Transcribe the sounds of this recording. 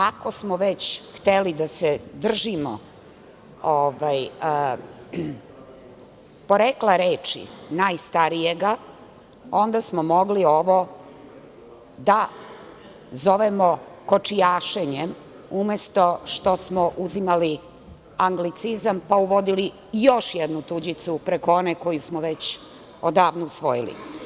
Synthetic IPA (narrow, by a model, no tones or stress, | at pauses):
ako̞smoʋet͡ɕxt̪elid̪ased̪r̩ʒimo̰ | oʋaj | po̞ɾeklaɾeːt͡ʂḭnaːjst̪aɾijeɡa | o̞nd̪asmomo̞ɡlio̞ʋo | d̪a | zoʋemokot͡ʂijaːʃeɲem | umjest̪o̞ʃt̪o̞smoʔuzimali | aŋɡlit̪sizampauʋo̞d̪ili | jo̞ʃjed̪nut̪ud͡ʑit̪supɾekooneko̞jusmoʋet͡ɕ | od̪aːʋnousʋo̞jilḭ